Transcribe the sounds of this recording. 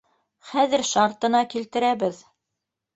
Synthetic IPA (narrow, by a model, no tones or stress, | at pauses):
χæðɘɾʃɑɾt̪ɤ̆nɑkilt̪ɘ̆ɾæbɘð